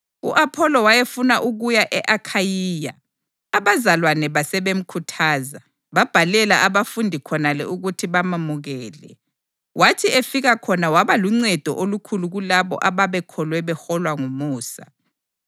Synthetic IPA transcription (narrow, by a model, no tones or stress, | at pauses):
ṵʔapʰɔlɔwajefunaʔuɣujaʔɛʔakʰajiːja̰ | aβazalwanɛβasɛβem̩kʰutʰaːza | βab̥ʱalɛlaʔaβafundʱikʰɔnalɛ̰uɣutʰiβamamuɣɛːlɛ | watʰiefiɣakʰɔnawaβaluŋ͡ǀɛd̥ʱɔʔolukʰuluɣulaβɔ̰ʔaβaβɛkʰɔlwɛβɛxɔlwaŋumuːsa̰